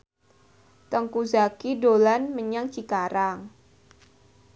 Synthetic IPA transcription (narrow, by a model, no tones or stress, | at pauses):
t̪əŋkuzakidolanməɲaŋt͡ʃikaɾaŋ